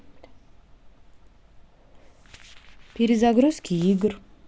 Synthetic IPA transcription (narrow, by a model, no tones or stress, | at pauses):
piɾizaɡɾuskʰʲiiɡɾ